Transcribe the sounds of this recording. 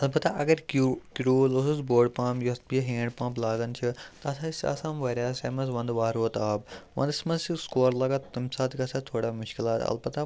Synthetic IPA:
ɐlbɐt̪aʔɐɡɐɾkkɾuːlʊsuzboːɖpãːpjɐsbiɦẽːɳɖpãːmplaːd̪ɐnt͡ʃʰit̪ɐɐsaisɐ̰saːmʋɐɾʲjaːseːmɐsʋɐ̃nd̪ʋaːɾoːt̪aːb̚ʋɐ̰nd̪smɐziskoːɾlɐɡaːt̪t̪ɐmsaːt̪ʰikaːsat̪ʰoːɽamʊʃkilaːt̪ɐ̰lbɐt̪a

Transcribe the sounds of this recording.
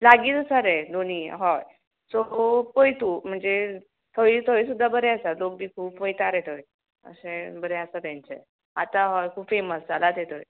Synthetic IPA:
laɡiːt̪səɾɛd̪ʱoniːɦɔj | sɔpəjt̪um̤əɳd͡ze | t̪ʰəʋit̪ʰəʋis̬ud̪ʱːabəɾɛəsalok̚biːkʰuːpʋəjt̪aɾet̪ʰoj | ə̰sẽbəɾɛəsat̪jãɲt͡sḛ | at̪aɦɔjkʰuːbfeməsd͡zalat̪et̪ʰoj

